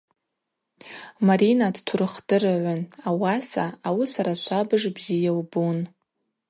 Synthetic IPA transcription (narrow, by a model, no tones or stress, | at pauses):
maɾinadtʰurɨχdɨraʕʷʊnawasaawisaɾat͡ʃʷʰabɨʐbzijalbun